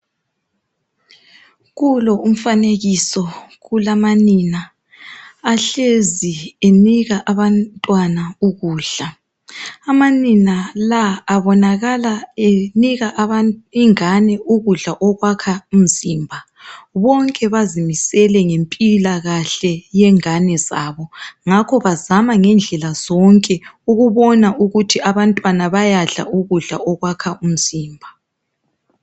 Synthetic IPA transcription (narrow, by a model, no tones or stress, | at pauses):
ɣulɔum̩faneɣisɔɣulamaninaː | ɬezieniɣaʔaβantʼwanauɣuːɮa | amaninalaːβɔnaɣalaeniɣaʔaβaiŋanɛuɣuɮaʔɔɣwakʰaum̩ziːmbʱa | βɔŋkʼɛβazimisɛlɛŋempʼilaɣaɬɛjɛŋanɛzaβɔŋakʰɔβazamaŋɛnd͡ɮʱɛlazɔŋkʼɛuɣuβɔnaʔuɣutʰiaβantʼwanaβajaɮa̰ʔuɣuɮa̰ɔɣwakʰaum̩z̥iːmbʱa